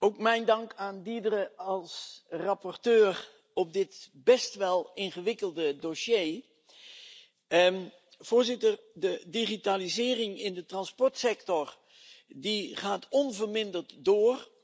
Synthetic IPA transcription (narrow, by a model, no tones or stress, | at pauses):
owkmɛjndɑŋkaːndidərəɑlˠsrɑpɔrtøːr | ɔp̚dɪtbɛstʋɛlˠɪnχəʋɪkəlˠdədoʃjej | v̥ʊːɹzɪtərdədiχitaːlizɪːrɪŋɪndətrɑnspɔɹtsɛktɔr | diχaːtʰɔnvərmɪndərtdoːr